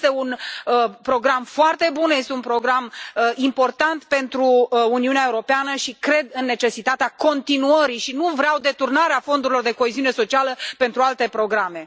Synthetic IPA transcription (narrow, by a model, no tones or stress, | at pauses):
st̪e̞unəpɾo̞ɡɾamfoart̪e̞bunje̞st̪eunpɾo̞ɡɾaməimpo̞rt̪ant̪pe̞nt̪ɾuːniuneaeuɾo̞peanəʃikɾe̞d̪ɨnːe̞t͡ʃe̞sit̪at̪eako̞nt̪inuəɾiʃinuvɾeawd̪e̞t̪urnaɾeafo̞nd̪uɾilo̞rd̪e̞ko̞eziune̞so̞t͡ʃialəpe̞nt̪ɾualt̪e̞pɾo̞ɡɾame̞